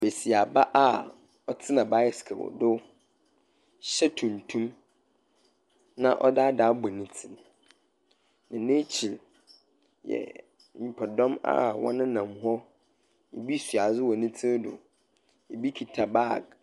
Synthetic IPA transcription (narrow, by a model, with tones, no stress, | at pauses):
be˨si˨a˨ba˦ʔa˦ | ɔ˦tʰɪ˦nã˨ba˦ɪ˨skʰɛ˨wɔ̰˨dʊ˦ | ɕɛ˦tʰũ˨ntʰũ˦m | nã̰˦ʔɔ̰˦da˦da˨˦bɔ˨nɪ̃˨tʰɪ˨n | nã˨nẽ˦t͡ɕʰi˨l | jɛ̰˨ | ɲĩ˨pʰɔ˨dɔ̃˦ma̰˦˨wɔ̰̃˦nɪ̃˦nã˨mɦɔ˦ | jḛ˨bi˦su˨a˨zʊ˦wɔ˨nɪ̃˦tʰɪ˦dʊ̰˨ | e˨bi˦kʰi˨tʰa˨ba˦˨ɡ